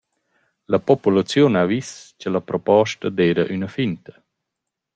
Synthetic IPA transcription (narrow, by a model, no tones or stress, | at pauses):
lɐpɔpulat͡sjunavist͡ɕəlɐpɾɔpɔʃtad̪ɛːɾɐʔynɐfint̪ə̥